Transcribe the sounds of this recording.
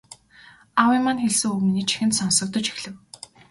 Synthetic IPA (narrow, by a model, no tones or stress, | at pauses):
awimanxeɮsɘ̆ŋuɣminiːt͡ɕʰi̥xɘ̆nt̪sɔnsɞ̆k̚t̪ɞ̆t͡ɕi̥xɮɘ̆w